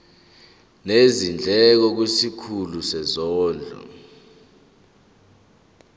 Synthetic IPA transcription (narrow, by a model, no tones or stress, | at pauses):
nezind͡ɮʱɛk̬ɔk̬wesikʰulusɛzɔːnd͡ɮʱɔ̰